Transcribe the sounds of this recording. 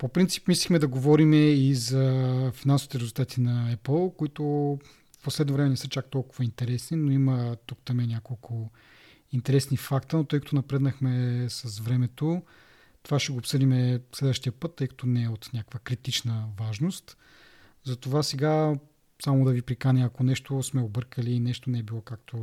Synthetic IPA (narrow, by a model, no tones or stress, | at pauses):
popɾint̪si̥pmislʲixmɛd̪ɐɡovɔɾimɛizɐfinansovit̪ɛɾɛzʊlˠt̪at̪ʰinɐɛpəlˠkoit̪ʊ | fposlɛd̪novɾɛmɛnɛsət͡ʃak̚t̪ɔlˠkʊvəint̪ɛɾɛsninoimət̪ukt̪ɐmɛnʲjakolˠkʰʊ | int̪ɛɾɛsnifakt̪ənot̪ɤjkɐ̥t̪onɐpɾɛd̪nəxmɛsɐsvɾɛmɛt̪o | t̪ovaʃɛɡoːpsɤd̪imɛslɛd̪vəʃt̪iəpɤt̪ːɤjkɐ̥t̪onɛːot̪nʲakəkvəkɾit̪it͡ʃnəvaʒnost̪ | zɐt̪ovasɛɡa | samod̪ɐvipɾikanʲɛɐkonɛʃt̪osmɛobɤɾkəliːnɛʃt̪onɛɛbilˠokak̚t̪ʰo